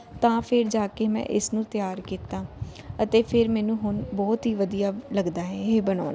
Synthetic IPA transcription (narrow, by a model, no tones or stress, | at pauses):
t̪ãːpʰɪɾd͡ʒaːkeːmɛ̰̃ːʔɪsnũːt̪ɪjaːɾkiːt̪ãː | ət̪eːpʰɪɾmɛːnũːɦʊnbɔːt̪ɦiːʋəd̪ijaːləɡd̪aːɦɛːɦeːbəna̰ːnaː